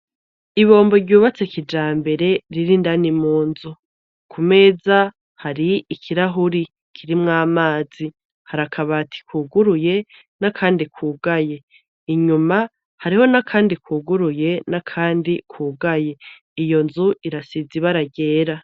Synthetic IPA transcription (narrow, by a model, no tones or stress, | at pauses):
iβo̞ːmbo̞ɾɟuːβat͡sekid͡ʒaːmbe̞ɾe̞ɾiɾindanimuːnzu | kʰume̞ːza | haɾiikʰiɾaɦuɾi | kʰiɾimŋaːmaːz̥i | haɾakʰaβatʰi̥kuːɡuɾuje̞ | nakʰaːndikʰuːɡaje̞ | iɲuma | haɾiho̞nakʰaːndikuːɡuɾuje̞nakʰaːndikʰuːɡaje̞ | ijo̞nzuʔiɾasiziβaɾaɟe̞ːɾa